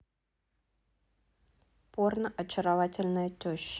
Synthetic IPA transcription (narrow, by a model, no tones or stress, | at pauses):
pornʔɐt͡ɕɪɾɐvatʲɪlʲnəjətʲɵɕ